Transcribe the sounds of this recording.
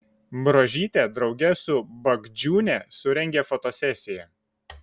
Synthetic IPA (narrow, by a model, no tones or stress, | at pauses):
bɾoʒʲiːt̪ʲeːˑd̪ɾɒʊɡʲɛsʊbɐɡd͡ʒʲuːnʲɛsʊɾʲɛŋʲɡʲeːfot̪oːsʲɛsʲɪjɛ